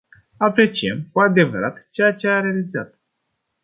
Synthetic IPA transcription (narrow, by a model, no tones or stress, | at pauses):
apɾe̞t͡ʃiemkuad̪e̞vəɾat̪t͡ʃejat͡ʃe̞aɾe̞alizat̪